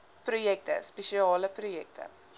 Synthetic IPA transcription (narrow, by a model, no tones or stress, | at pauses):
prujɛk̚tə̰speʃiɑːləprujɛk̚tʰə̰